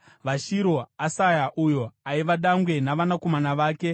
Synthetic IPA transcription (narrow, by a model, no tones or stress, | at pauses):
ʋaʃiɾo̞asajaʔujo̞aiʋaɗaŋɡwe̞naʋanako̞manaʋaːke̞